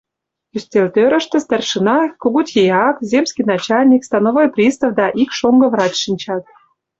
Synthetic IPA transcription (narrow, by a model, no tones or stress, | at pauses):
ysʲtʲelʲt̪øɾə̆ʃt̪ə̆st̪ærʃənɑkoɣut̪ʲjejɑkzʲemskʲijnɑt͡ɕɑlʲnʲikst̪ɑnovojprʲist̪ə̆fd̪ɑʔikʃoŋɡɤ̆vrɑt͡ɕʃinʲt͡ɕɑt̪̚